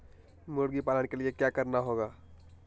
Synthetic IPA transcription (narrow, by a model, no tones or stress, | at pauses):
moɽɡipalənkeliekjakəɾnaɦoɡa